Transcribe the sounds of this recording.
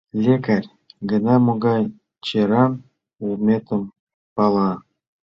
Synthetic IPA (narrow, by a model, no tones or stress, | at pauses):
lʲekarʲ | ɡə̆nɑmoɡɑj | t͡ɕeɾɑm | urmʲet̪ə̆m | pɑlˠɑ